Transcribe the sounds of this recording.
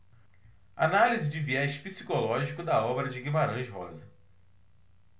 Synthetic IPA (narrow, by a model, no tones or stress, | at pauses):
a̰nalizɪd͡ʒɪviɛʃpisi̥kolɔʒikʊd̪ɐɔbeɾɐd͡ʒɪɡimaɾɐ̃ʒɦɔ̰zɐ